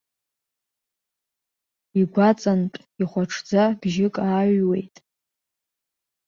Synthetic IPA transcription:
iɡʷat͡sʼantʼ | iχʷaʈ͡ʂʰd͡zab̥ʒɪkʼaːɥwe̞̰jtʼ

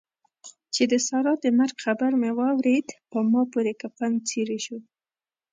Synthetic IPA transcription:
t͡ʃed̪əsɑɾɑəmaɾɡxabaɾmewɑwɾed̪pəmɑpoɾekafaŋt͡seɾeʃu

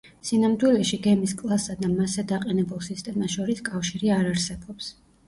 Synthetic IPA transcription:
sinamd̪wilɛʃiɡɛmiskʼlˠasad̪amasɛd̪aqʼɛnɛbulˠsist̪ʼɛmaʃɔɾiskʼafʃiɾiaɾaɾsɛbɔps

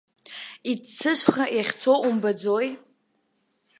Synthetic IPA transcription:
it͡sʰɨʃʷχaʔjaχʲt͡sʰo̞ʔumbad͡zo̞j

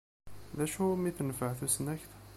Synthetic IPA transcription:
ðæʃhumiθənəfəʕθusnæçt̪

